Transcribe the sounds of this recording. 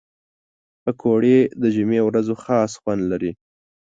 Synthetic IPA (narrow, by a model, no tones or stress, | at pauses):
pəkʰoɽed̪əʒumewɾazoxɑsxwand̪laɾi